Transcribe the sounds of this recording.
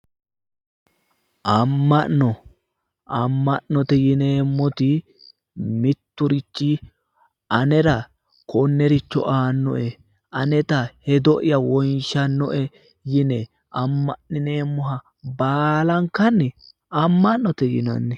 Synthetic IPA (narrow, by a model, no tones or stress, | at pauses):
ʔɐmːɐnːɔ | ʔɐmːɐʔnːɔt̪ɛjɪneːmːɔt̪ɪ | mɪt̪ːʊɾɪt͡ʃːɪ | ʔɐnɛɾɐ | kɔnːɛɾɪt͡ʃːɔ̰ʔaːnːɔ̰ʔɛ | ɐnɛt̪ɐhɛd̪ɔʔɪjɐwɔjnʃɐnːɔʔɛ | jɪnɛ | ɐmːɐnːɪneːmːɔɦɐ | baːlɐŋkɐnːɛ | ɐmːɐnːɔt̪ɛjɪ̰nɐ̰nːɪ